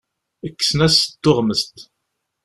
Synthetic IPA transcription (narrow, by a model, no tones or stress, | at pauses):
əkːə̥sənæsət̪ːoʁməst̪